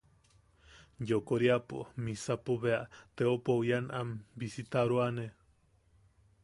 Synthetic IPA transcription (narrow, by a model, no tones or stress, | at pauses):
jokoɾiapo̰misapoβeaʔt̪eopojanambisit̪aɾuane